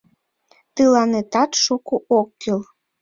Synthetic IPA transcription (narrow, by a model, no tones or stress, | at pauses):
t̪ɨlɑnet̪ɑt̪ʃukuʔokːil